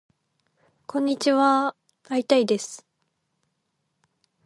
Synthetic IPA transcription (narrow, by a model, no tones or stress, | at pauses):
kʰõ̞ɲ̟ːit͡ɕiβa | ait̪aid̪e̞sɨ̥